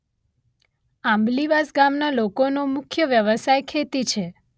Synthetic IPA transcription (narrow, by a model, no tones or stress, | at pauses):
ãmbliʋasɡamnalokonomʊkʰjəʋjəʋəsajkʰet̪it͡ʃʰe